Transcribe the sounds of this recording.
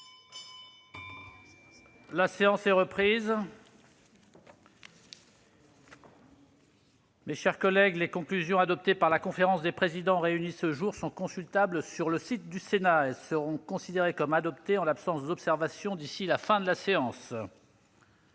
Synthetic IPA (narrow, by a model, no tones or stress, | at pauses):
laseɑ̃sɛʁəpχiz | meʃɛʁkɔlɛɡlekɔ̃klyzjɔ̃ad̪ɔp̚t̪epaʁlakɔ̃feʁɑ̃sd̪epχezid̪ɑ̃ʁeynisəʒuʁsɔ̃kɔ̃sylt̪ablsyʁləsit̪̚d̪ysenaɛlsəʁɔ̃kɔ̃sid̪eʁekɔmad̪ɔpt̪eɑ̃lapsɑ̃sd̪ɔpsɛʁvasjɔ̃d̪isilafɛ̃d̪əlaseɑ̃s